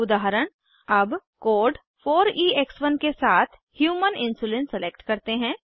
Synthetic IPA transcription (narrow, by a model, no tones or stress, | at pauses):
ʊd̪aːɦəɾəɽ̃ | ɐbkoːɾɖ | fʰoːɾiːeksʋənkesaːt̪ʰ | hjuːmənɪ̃nsuːlẽːnsəleːkʈkɐɾt̪eɦɛ̃ː